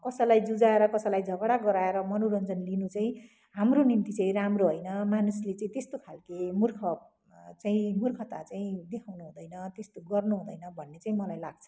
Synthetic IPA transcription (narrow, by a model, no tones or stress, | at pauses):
kʌsʌlajd͡zud͡zaeɾʌkʌsʌlajd͡zʱʌɡɽaɡʌɾaeɾʌmʌnoɾʌnd͡zʌnlinut͡saĩ | ɦamronimt̪it͡saĩramroɦʌjnʌmanuslet͡saĩt̪est̪okʰalkemurkʰʌ | t͡saĩmurkʰʌt̪at͡saĩd̪ekʰawnuɦũd̪ʌjnʌt̪est̪oɡʌrnuɦũd̪ʌjnʌbʱʌnːet͡saĩmʌlajlaɡ̚t͡sʰʌ̥